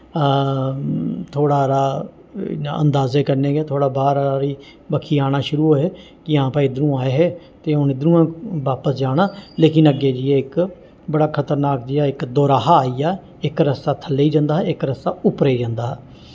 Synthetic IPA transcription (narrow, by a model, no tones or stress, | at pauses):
t̪ʰoːɽaːɾa̰ː | a̰ʔə̰nd̪aːzeːkəɾneːɡeːt̪ʰoːɽaːbaːɾɾiː | bəkʰːiːaːɽ̃aːʃʊɾuːɦoːɦeː | kɪãːpaːiɪd̪nũːaːeɦɛː | t̪eːʊnɪd̪nũːãːʋaːpəsd͡ʒaːɽ̃aːleːkɪnəɡeːd͡ʒɪjeːɪk | bəɽaːkʰət̪əɾnaːk̚d͡ʒɪjaːɪkd̪oːɾaːɦaːaːiːaː | ɪkɾəst̪aːt̪ʰəlːeiːd͡ʒãːnd̪aːɦɛːɪkɾəsaːʊpɾeid͡ʒãːnd̪aːɦɛː